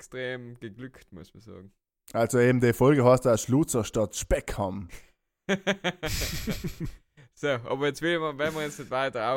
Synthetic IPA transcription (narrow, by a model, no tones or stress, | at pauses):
kstʁeːmɡ̥əɡlyktmʊsmɐsɑ̰ːɡŋ̩ | ʔalsoeːbm̩d̥efɔlɡəhɑstduaʃluːt͡sɐʃtɑtʃpɛkʰhɑm | soːʔɑ̰ːbɐjɛt͡sʋɪlmɐvɛnməʁjɛt͡snɪtvaɪtəʁa